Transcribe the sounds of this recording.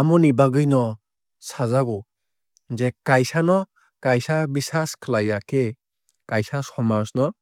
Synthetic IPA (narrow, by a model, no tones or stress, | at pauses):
amɔnibaɡɯjnɔ | sazaɡɔ | zekajsanɔ | kajsabisaskʰɯlajakʰe | kajsasɔmasnɔ